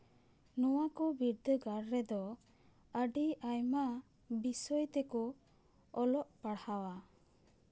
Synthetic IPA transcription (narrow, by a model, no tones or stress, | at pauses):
nɔwakɔbiɾd̪əɡaɽɾɛd̪ɔ | əɖiʔajma | bisɔjt̪ɛkɔː | lɔʔpaɽhawa